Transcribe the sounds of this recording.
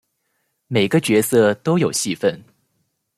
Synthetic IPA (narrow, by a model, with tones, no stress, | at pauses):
me˨˩ɪɡə˦t͡ɕɥɛ˧˥sɤ˥˧t̪o˥ʊjo˨˩ʊɕi˥˧fə˥˩n